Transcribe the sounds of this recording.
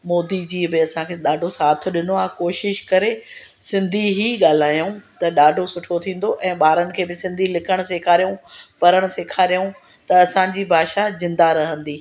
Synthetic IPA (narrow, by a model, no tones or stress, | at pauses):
moːd̪id͡ʑiːbɪɐsãkʰeːɗaːɖʱosaːt̪̆ʰɗɪnoaːɦkoːʃɪʃkɐɾe | sɪ̃nd̪ʱiɦiːɠaːl̤aːjũt̪ɐɗaːɖʱosʊʈʰot̪ʰĩːn̆d̪oʔɛ̃ːɓaːɾənɪ̆kʰeːbɪsɪ̃nd̪ʱilɪkʰəɽ̃seːkʰaːɾijũpɐɾəɽ̃ʊseːkʰaːɾijũ | t̪ɐɐsãd͡ʑiːbʱaːʃazɪ̃nd̪aɾɐɦə̃nd̪iː